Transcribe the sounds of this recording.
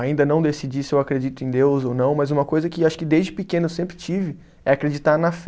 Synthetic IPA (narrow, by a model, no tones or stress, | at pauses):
aĩnd̪ɐnɐ̃w̃d̪esid͡ʒisɪewakɾed͡ʒit̪ʊẽj̃d̪ewzownɐ̃w̃mɐzũmɐkojzɐkɪaʃʊ̥kɪd̪ezd͡ʒɪpɪkẽnʊesẽmpɾɪt͡ʃivɪ | ɛakɾed͡ʒit̪aɾnɐf